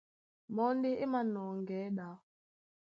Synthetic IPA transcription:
mɔ˦n˦de˦ʔe˦ma˦nɔː˨ŋ˨ɡɛː˨˦ɗa˨˦

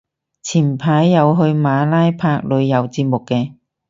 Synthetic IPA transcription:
t͡sʰiː˨˩npʰaː˨˥jːɐ˨˧wɦɵ˧ɥmaː˨˧laː˥jpʰaː˧k̚lɵ˨˧ɥjɐ˨˧wt͡siː˧p̚mʊ˨kːɛː˧

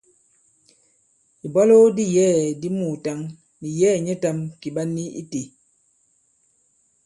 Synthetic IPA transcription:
i˨bɔ˦lo˦di˦jɛː˦˨di˦mu˨ta˦ŋ | ni˨jɛː˦˨ɲɛ˦ta˦mki˨ɓa˦nːi˦ḭ˦te˨

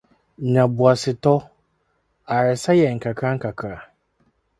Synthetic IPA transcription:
ɲã˨bu˨a˨sɪ˨tɔ˦ | a˨ɾɪ˨sa˦jɛ˨ŋ̩˨kʰa˨kʰa˦ŋ̩˦kʰa˨kʰɾa˨

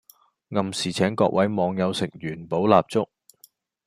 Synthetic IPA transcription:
ŋɐ˨msiː˨˩t͡sʰɛː˨˥ŋkɔ̰ː˧k̚wɐ˨˥jmɔː˨˧ŋjɐ˨˧wsɪ˨˩k̚jyː˨˩npo˨˥wlaː˧p̚t͡sʊ˥k̚

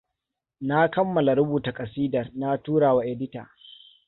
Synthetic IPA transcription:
na˦kɐ˦mːɐ˨la˨ɽʊ˦buː˨ta˨kʼɐ˨siː˦dɐ˨rna˦tuː˦ɽaː˨wa˦ʔɛ˨dɪ˦ta̰ː˨

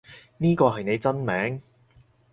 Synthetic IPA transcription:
niː˥kɔː˧ɦɐ˨jne˨˧jt͡sɐ˥nmɛː˨˥ŋ

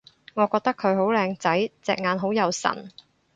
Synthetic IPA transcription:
ŋɔː˨˧kɔː˧k̚t̪ɐ˥kʰɵ˨˧ɥɦo˨˥wlɛː˧ŋt͡sɐ˨˥jt͡sɛː˧k̚ŋaː˨˧nɦo˨˥wjɐ˨˧wsɐ̰˨˩n

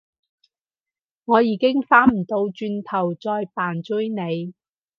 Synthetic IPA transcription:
ŋɔː˨˧jiː˨˧kɪ˥ŋfaː˨˥nm̩˨˩t̪o˧wt͡ʃyː˧nt̪ʰɐ˨˩wt͡sɔː˧jpaː˨˩nt͡sɵ˥jne˨˧j

